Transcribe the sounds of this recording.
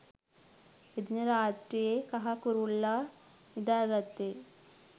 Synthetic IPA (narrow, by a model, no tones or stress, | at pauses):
id̪nɐɾaːtɾijekɐɦɐkuɾulːaː | nid̪aːɡɐt̪ːe